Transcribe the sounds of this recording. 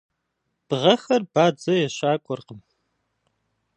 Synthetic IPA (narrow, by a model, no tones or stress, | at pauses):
b̥ʁɐxɐrbaːd͡zɐjɛɕaːkʷʼɔrqəm